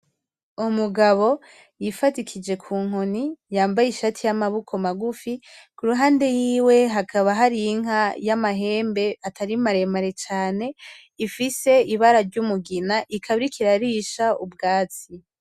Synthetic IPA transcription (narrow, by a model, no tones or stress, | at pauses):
umuɡaβo̞ | jifatikʰid͡ʒe̞kʰuːŋ̥o̞nijaːmbajiʃatʰijamaβukʰo̞maɡufikuɾuɦaːnde̞jiːwe̞ɦakʰaβaɦaɾijiŋɦajamaɦe̞ːmbe̞atʰaɾimaɾe̞maɾe̞t͡ʃaːne̞ | ifise̞iβaɾaɾɟumuɡinaʔikʰaβiɾikʰiɾaɾiʃaubɡaːt͡si